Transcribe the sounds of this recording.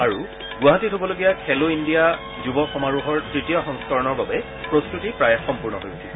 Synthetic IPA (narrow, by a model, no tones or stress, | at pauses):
aɹu | ɡwaɦatitobɔloɡijakʰɛloindija | zubɔxɔmaɹuɦɔɹtɹitijɔxɔŋskɔɹɔnɔɹbabɛ | pɹostɹutipɹajɛxɔmpuɹnɔɦojsʰil